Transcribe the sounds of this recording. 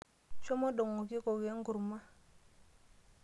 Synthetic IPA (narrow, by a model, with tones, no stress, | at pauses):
t͡ʃo˦mo˦ɗo˨ŋo˨ki˦ko˨ɡe˨˦ŋ˦ɡu˨ɾma˦